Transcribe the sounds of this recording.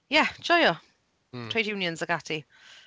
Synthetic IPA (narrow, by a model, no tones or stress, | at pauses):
jɛd͡ʒ̥ɔɪə | tʰɹ̥eɪdjʉːnjə̃nzəɡatʰi